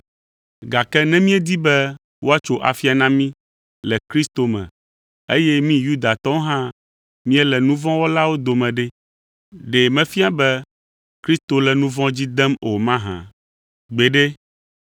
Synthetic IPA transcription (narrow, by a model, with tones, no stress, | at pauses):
ɡa˨kɛ˦nɛ̃˦mĩ˦ɛ˦d̪i˦bɛ˦ | wo˦a˦t͡ʃo˨ʔa̰˨fi˦a˨nã˦mĩ˦ | lɛ˨kɾi˦st̪o˨mɛ̰̃˨ | e˦jɛ˦mĩ˦ju˦d̪a˨t̪ɔ̃˦ɦã˦ | mĩ˦ɛ˦lɛ˨nũ˦vɔ̃˦wo˦la˦wo˦d̪o˨mɛ̃˨ɖɛ˦ | ɖe˨mɛ̃˦fi˦a˦bɛ˦ | kɾi˦st̪o˨lɛ˨nũ˦vɔ̃˦d͡ʑi˦d̪ɛ˦mo˨mã˦ɦã̰˨ | ɡ͡be˨ɖe˦